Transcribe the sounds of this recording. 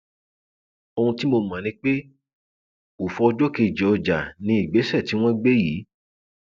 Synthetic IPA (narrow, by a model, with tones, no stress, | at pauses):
o˧ũ˧ti˦mo˧mã˨nĩ˧k͡pe˦ | o˨fɔ˧d͡ʒɔ˦ke˧˨d͡ʒɛ˨ɔ˧d͡ʒa˨nĩ˨˦i˦˨ɡ͡be˨˦sɛ˦˨ti˨˦w̃ɔ̃˦ɡ͡be˦jiː˨˦